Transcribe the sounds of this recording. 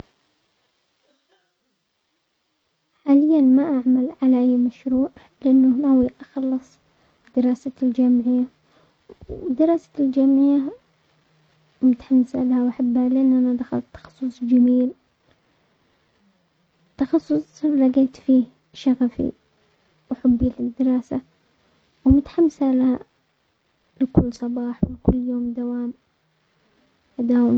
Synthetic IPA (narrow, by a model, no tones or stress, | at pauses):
ħaːlɪjːanmaʔaʕmalʕalaʔajːmaʃɾuːʕ | lɪʔanːʊnawiʔɑxɑlːɨsˤ | d̪ɪɾɑːsald͡ʒamʕɪjːa | d̪ɪɾˤɑːsḁld͡ʒamʕɪjːa | mʊt̪ħamːɪsa̰lahawʔaħabːhalɪʔanːʔanaʔd̪axa̰lt̪ːɑ̥xɑ̥sˤːʊsˤd͡ʒamiːl | t̪ːɑxɑsˤːʊsˤlɑɡeːt̪fiː | ʃaɣafḭ | wħʊbːilɪd̪ːɪɾˤɑːsa | wmʊt̪ħamːsalaha | lɪkʊlːsˤɑbɑːħwɪlkʊlːjoːmd̪awaːm | ad̪aːwɪ